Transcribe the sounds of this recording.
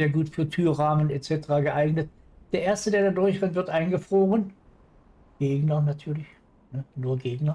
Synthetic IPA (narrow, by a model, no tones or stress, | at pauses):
eːɐɡuːtfyːɐtʰyːɐʁaːmənɛt͡sɛtəʁaːɡəʔaɪɡnət̚ | d̥eːɐeːɐstədeːɐdadʊɐçv̥ɪtv̥ɪɐtʔaɪnɡəfʁ̥oːʁən | ɡ̥eːɡnɐnatʰyːɐlɪç | nənuːɐɡeːɡnɐ